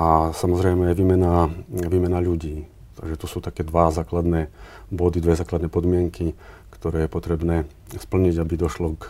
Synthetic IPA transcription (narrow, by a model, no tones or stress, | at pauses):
asamɔzɾɛjmɛjɛʋiːmɛnaʋiːmɛnaʎuɟiː | t̪a̰ɡʒɛt̪ɔsuːt̪akɛːd̪ʋazaːklad̪nɛbɔd̪id̪ʋɛzaːklad̪nɛːpɔd̪mɪɛŋkʰikt̪ɔɾɛːjɛpɔt̪ɾɛbnɛː | spl̩ɲiɟabid̪ɔʃlɔk